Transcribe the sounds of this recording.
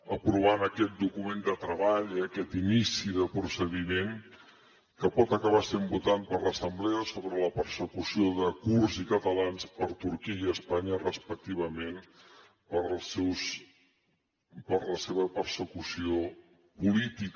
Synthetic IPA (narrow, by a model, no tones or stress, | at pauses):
əpɾuβ̞anəkɛt̪̚d̪ukumend̪ət̪ɾəβaʎiəkɛt̪inisiðəpɾusəðimeŋ | kəpɔt̪əkəβ̞asembut̪ampəɾləsəmbleəsoβɾələpəɾsəkusioðəkurzikət̪əlanspəɾt̪uɾkiiəspaɲərəspək̚t̪iβ̞əmen | pəɾˠsews | pəɾləseβəpəɾsəkusio | pulit̪ik